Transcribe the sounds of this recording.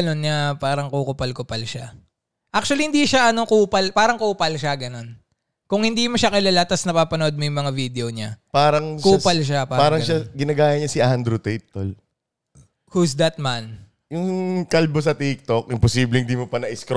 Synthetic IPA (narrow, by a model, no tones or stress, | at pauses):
nonɲɐpaːɾɐŋkukʊpɐlkʊpɐlʃa | ʔak̚t͡ʃʊwɐlihɪnd̪iʃaʔɐnokuːpɐlpaːɾɐŋkuːpɐlʃaɡɐno̞n | kʊŋhɪnd̪iːmoʃakɐlalat̪ɐsnɐpaːpɐnoʔod̪̚mojʊŋmɐŋavid̪ɛoɲapaːɾɐŋkupɐlʃapaːɾpaːɾɐŋʃaɡɪnɐɡaːjɐɲɐsɪʔand̪ɾʊt̪ɛt̪ːol | husd̪ɐt̪̚man | jʊŋŋkɐlbos̬ɐt̪ik̚t̪okʔɪmposiːblɛhɪnd̪imopɐnɐʔɪsk